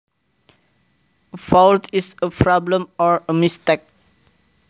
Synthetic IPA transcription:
əfawtisəpʰɹɔblə̃mɔɹəmistɛk̚

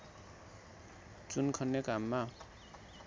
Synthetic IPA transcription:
t͡sunkʰʌnːekamːa

